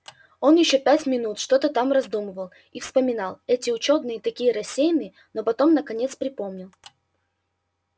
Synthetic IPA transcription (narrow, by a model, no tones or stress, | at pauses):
o̞njɪɕːo̞pʲætʲmʲɪnut̪ʂt̪o̞t̪ət̪amrɐzd̪uməvəlˠ | ifspəmʲɪnɑlˠɛtʲɪʊt͡ɕo̞d̪nɨjət̪ɐkʲijəɾɐsʲːejnɨə | no̞pɐt̪o̞mnəkɐnʲe̞t̪spɾʲɪpo̞mnʲɪlˠ